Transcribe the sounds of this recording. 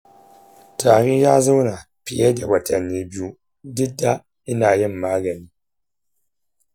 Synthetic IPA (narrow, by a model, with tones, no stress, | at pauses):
taː˨ɾi˦jaː˦zɨ˦wna˨ | pi˨˦ɛ˦dɛ˨ba˨ta˨ni˦bi˦u˦ | dɨ˦da˦ | i˦naː˨jɛ˦m̩˨maː˦ɡa˨ni˨